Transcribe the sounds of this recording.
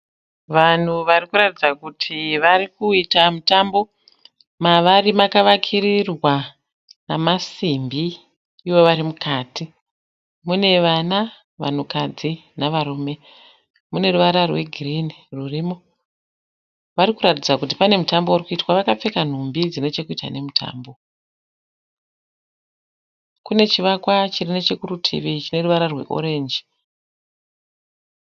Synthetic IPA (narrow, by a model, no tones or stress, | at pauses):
ʋan̤uʋarikuɾatid͡zakutʰiʋarikuitamutambo̞ | maʋarimakaʋakʰirirwa | namasimbiː | ʋo̞ʋaɾimukaːti | mune̞ʋana | ʋa̰n̤ukad͡zinaʋaruːme̞ | mune̞ruʋaɾarwe̞ɡʱirinirurimo̞ | ʋaɾikuɾatid͡zakut̬ipane̞mutambo̞urikuitwaʋakap͡fe̞kan̤umbid͡zine̞t͡ʃe̞kuitwa̰ne̞mutʰa̰ːmbo̞ | kune̞t͡ʃiʋakwat͡ʃirinet͡ʃekurutʰḭʋit͡ʃine̞ruʋaɾarwe̞̰ʔo̞̰ɾe̞ːnd͡ʒi